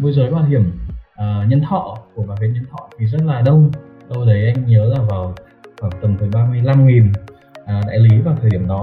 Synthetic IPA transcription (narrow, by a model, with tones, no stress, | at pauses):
ɓə˧jzəː˨˩jɓaː˨˧˩hi˧˩əmʔəː˨˩ɲə˧nt̪ʰɔ̰˧˨ku˧˩əɓaː˨˩vɲə˧nt̪ʰɔ̰˧˨t̪ʰi˨˩zə˦˥t̚laː˨˩ɗə˧w | ɗə˧wɗə˨˦jʔa˧jŋ̟ɲəː˨˦laː˨˩vaː˨˩w | xwaː˧˩ŋt̪ə˨˩mt̪ʰɨ˨˩jɓaː˧mɨ˧əjla˧mŋi˨˩n | ʔəː˨˩ɗa̰ː˧˨jli˨˦vaː˨˩t̪ʰəː˨˩˨ɗi˧˩ə˨mɗɔ˨˦